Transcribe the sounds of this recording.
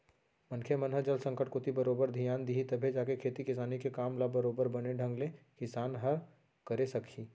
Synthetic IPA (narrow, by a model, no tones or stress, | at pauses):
mɐ̃nkʰemɐnɦəd͡ʒəlsə̃ŋkəʈ̚kʊt̪ibɐɾoːbəɾd̪ʱijaːnd̪iɦit̪ɐbʱed͡ʒaːkekʰeːt̪ikɪs̬aːnikekaːmlabɐɾoːbəɾbɐneɖʱə̃ŋɡlẽkɪsaːnɦɐɾ | kɐɾesɐkʰiː